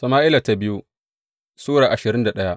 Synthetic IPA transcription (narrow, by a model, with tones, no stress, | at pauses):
sɐ˨maː˦ʔɪ˦la˨ta˨bɪ˦ju˦ | suː˦ɽaː˨ʔa˨ʃɪ˨ɾɪ˦nda˨ɗɐ˦ja˦ʔ